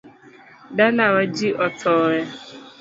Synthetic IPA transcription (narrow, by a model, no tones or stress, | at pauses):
dalawad͡ʒiʔɔtʰɔɾa